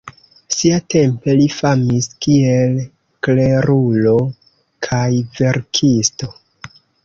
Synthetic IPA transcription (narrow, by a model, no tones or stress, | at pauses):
siate̞mpe̞lifamiskie̞l | kle̞ɾulo̞ | kʰajve̞ɾkʰisto̞